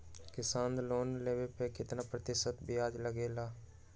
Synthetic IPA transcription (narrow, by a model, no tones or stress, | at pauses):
kɪsaːnloːnleːbepekɪt̪napɾət̪ɪʃət̪biaːd͡ʒləɡeːlaː